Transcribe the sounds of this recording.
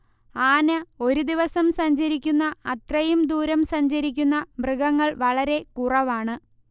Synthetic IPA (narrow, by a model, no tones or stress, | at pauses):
aːnɐo̞ɾud̪iʋɐsɐmsɐɲd͡ʑɐɾikʲːunːɐɐt̪rɐjumd̪uːɾɐmsɐɲd͡ʑɐɾik̬ʲːunːɐbrɨɡɐŋːɐɭʋɐɭɐɾe̞kurɐʋaːɳɨ